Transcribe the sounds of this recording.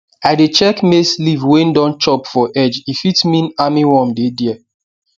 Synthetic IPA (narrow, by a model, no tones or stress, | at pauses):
adet͡ʃɛkmeslivwendɔ̃nt͡ʃɔpfɔʔɛd͡ʒifitmĩnamiwɔ̃mdediɛ